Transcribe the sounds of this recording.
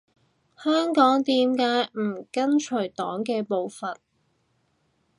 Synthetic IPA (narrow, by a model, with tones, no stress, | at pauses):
hœː˥ŋkɔː˨˥ŋt̪iː˧mkaː˨˧˥jm̩ː˨˩kɐ˥nt͡ʃʰɵ˨˩t̪ɔː˨˥ŋkɛː˧po˨˧wfɐ˨n̚